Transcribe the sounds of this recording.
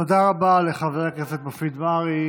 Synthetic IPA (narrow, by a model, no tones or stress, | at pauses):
od̪aʁabaleχaveakesefbafid̪maʁi